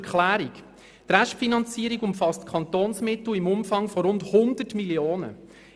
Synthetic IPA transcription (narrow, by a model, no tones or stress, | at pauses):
kχlæːɾik | t̪ɾɛʃtfinɑnt͡siəɾiɡʊmfɑstkʰɑnt̪oːnsmɪt̪l̩imʊmfɑŋfɔɾʊndhʊnd̥̪ətmilioːnə̰